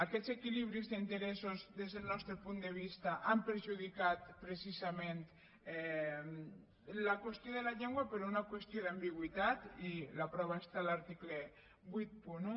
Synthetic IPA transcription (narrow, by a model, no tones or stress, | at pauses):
akɛzekiliβ̞ɾizðint̪eɾɛsozðezðelnɔst̪ɾepund̪eβ̞ist̪aʔampeɾʒuðikat̪pɾesizamẽnt̪ | ɛ | lakwest̪joðelaʎeŋɡwapeɾunakwest̪joðambiɣwit̪at̪ilapɾɔβaest̪alaɾt̪ikle | bwit̪̚punu